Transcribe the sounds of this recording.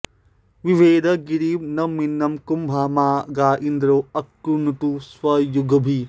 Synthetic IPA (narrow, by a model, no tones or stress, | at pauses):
ʋiʋeːd̪ʱɐɡiɾiːmnɐminːɐmkumbʱaːmaːɡaːʔind̪ɾoːɐkːunuʈ̪uswɐjuɡʱɐbʱi